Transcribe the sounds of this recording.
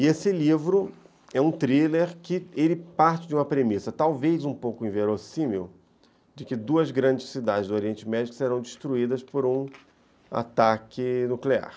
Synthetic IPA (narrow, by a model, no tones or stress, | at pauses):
ɪesɪlivɾʊ | ɛũt̪ɾileɾkɪelɪpaɾt͡ʃɪd͡ʒɪũmɐpɾemisɐt̪awvejzũpowkʊẽveɾosĩmew | d͡ʒɪkɪd̪uɐzɡɾɐ̃nd͡ʒɪssid̪ad͡ʒɪzd̪ʊoɾiẽnt͡ʃɪmɛd͡ʒikʊ̥seɾɐ̃w̃d͡ʒɪʃt̪ɾuid̪ɐspoɾũ | a̰t̪akɪnuklea̰ɾ